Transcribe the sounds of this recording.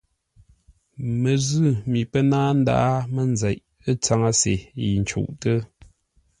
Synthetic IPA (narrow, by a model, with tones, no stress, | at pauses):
mə˨zʉ˦˨mi˨pə˦naː˦n̩˦da̰˦ʔa˦mə˨nzɛ˨ʔ | ə˦t͡sa˦ŋa˦sḛ˨i˨n̩˨t͡ʃṵ˦˨ʔtə˦